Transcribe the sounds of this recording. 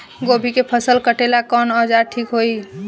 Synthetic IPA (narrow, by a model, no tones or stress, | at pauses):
ɡobʱikepʰəsəlkəʈelakɔnəd͡ʒaɾʈʰikɦoj